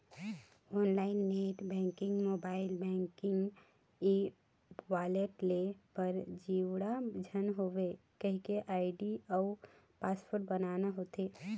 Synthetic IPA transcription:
onlaɪnːeʈbɛ̃ŋkɪ̃ŋɡmobaɪlbɛ̃ŋkɪŋɡ | i | waleʈlepəɾd͡ʒiwɽad͡ʒʱənɦoʋekəɦikeʔaːɪɖiaʊ | paspʰoɾʈ̚bənanaɦot̪e

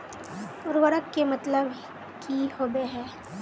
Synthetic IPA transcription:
ʊɾʋəɾəkːemɐt̪ləb | kʰihoːbeɦɛː

